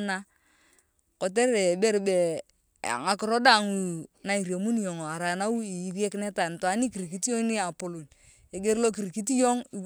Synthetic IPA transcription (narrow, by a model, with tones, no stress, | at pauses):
na˦ | ko˨t̬e˦ɾe˨be˦ɾbḛ˨ | ŋa˨kɪ˦ɾo˦da˦˨ŋu˨na˨i˨ɾjo˨mu˦n˨jo˨ŋo˨a˨ɾa˨na˦wu˦i˨ji˨˦ɾje˦kne˦ta˨n˨to˨a˨˦ni˦ki˨ɾi˨ki˦ti˦jo˦ni˦a˨po˨lo˨n | e˨ɡe˦ɾlo˦ki˨ɾi˨ki˦t̬i˦jo˦ŋi˨